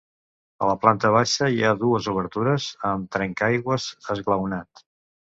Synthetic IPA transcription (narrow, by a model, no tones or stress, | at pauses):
ə̰ləplant̪əβ̞aʃəiaðuəzuβ̞əɾt̪uɾəzəmt̪ɾɛŋkajɣwəzəzɣləwnat̪